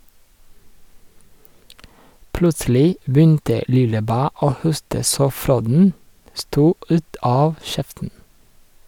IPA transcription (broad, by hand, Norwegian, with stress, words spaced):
ˈplʉtsl̩ɪ ˈbʏntə ˈlɪləˌbæː ˈoː ˈhʊstə ˈsoː ˈfɾoːdn̩ ˈstuː ˈʉːt ˈɑːʋ ˈʃɛftn̩